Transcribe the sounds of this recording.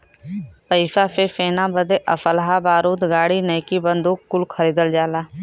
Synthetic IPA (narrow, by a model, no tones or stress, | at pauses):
pəɪʃaːfʰefeːnãːbəd̪eʔəfʰəlɦaːbaːɾuːd̪ɡaːɽiːnəjkibənd̪uːkːʊlkʰəɾiːd̪əld͡ʒaːlaː